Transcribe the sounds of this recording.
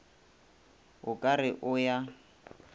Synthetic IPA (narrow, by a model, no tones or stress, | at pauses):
ɣʊkʼarɪʔʊja